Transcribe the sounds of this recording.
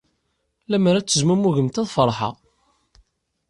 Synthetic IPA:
læməɾæt͡sːəzmumuʝəmt̪æðˤfəɾˤħɑ̰

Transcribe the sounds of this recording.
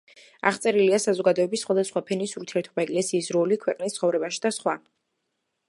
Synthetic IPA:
a̰ʁt̪sʼɛɾiliasazɔɡad̪ɔɛbisːχwad̪asχwapʰɛnisuɾt̪ʰiɛɾt̪ʰɛbaɛkʼlɛsiːsɾɔlikʰwɛqʼnist̪sʰχɔvɾɛbaʃi̥d̪asχwa

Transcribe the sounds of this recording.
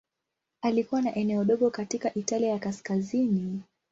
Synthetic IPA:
alikuwanaʔɛnɛɔɗɔɠɔkatikaʔitaliajakaskazini

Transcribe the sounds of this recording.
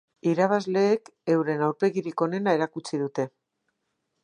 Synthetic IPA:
iɾaβ̞azle̞ːke̞wɾe̞nawɾpe̞ɣiɾiko̞ne̞nae̞ɾakut͡siðut̪e̞

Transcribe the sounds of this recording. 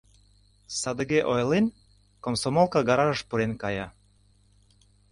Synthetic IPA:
sɑd̪əɡeʔojlen | komsomolˠkɑɡɑɾɑʒəʃpuɾenkɑjɑ

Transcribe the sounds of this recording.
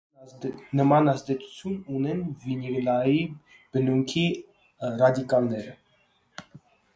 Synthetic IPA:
nəmɑnɑzd̪ɛt͡sʰu̥t͡sʰjununɛnviniɡnɑji | b̥ənuŋkʰi | rɑd̪ikɑlnɛɾə

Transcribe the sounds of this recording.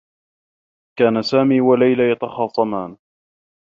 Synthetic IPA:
kaːnasaːmiːwalajlajɑt̪ɑxɑːsˤɑmaːn

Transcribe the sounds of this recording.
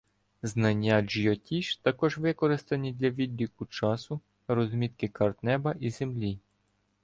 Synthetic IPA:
znɐnʲːad͡ʒiɔtʲiʃt̪ɐkɔʒʋɪkɔɾɪst̪ɐnʲid̪ʲlʲɐʋʲid̪ʲːikʊt͡ʃɑsʊ | ɾɔzmʲit̪kɪkɐrt̪nɛbɐʔizemlʲi

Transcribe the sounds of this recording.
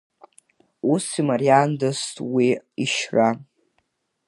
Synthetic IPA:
usimaɾiandostʼwiiʃra

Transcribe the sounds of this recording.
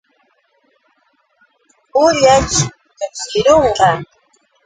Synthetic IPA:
ʊʎat͡ʃ | kaskɪɾoɴɢɑ

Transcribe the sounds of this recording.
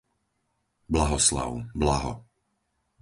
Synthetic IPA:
blaɦɔsla̰ʊblaɦɔ̰

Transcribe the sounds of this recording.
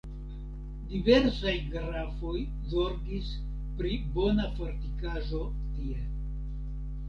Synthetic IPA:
dive̞ɾsajɡɾafo̞j | zo̞ɾɡis | pɾibo̞nafo̞ɾtikaʒo̞ | tie

